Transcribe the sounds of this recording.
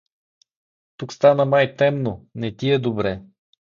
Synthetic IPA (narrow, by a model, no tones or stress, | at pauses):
t̪ukst̪anənajt̪ɛmnonɛt̪iɛd̪obɾɛ